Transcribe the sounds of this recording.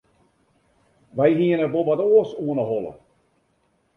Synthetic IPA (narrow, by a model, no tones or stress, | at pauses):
ʋɛjɦiənəʋoʋatoːəsuənəɦɔlˠə̰